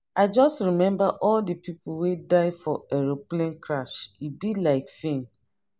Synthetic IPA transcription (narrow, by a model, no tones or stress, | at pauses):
aɪd͡ʒɔstɹimɛ̃mbaʔɔldəpʰipʰuwedaɪfɔɛɹoplẽnkʰɹaʃibilaɪkfẽn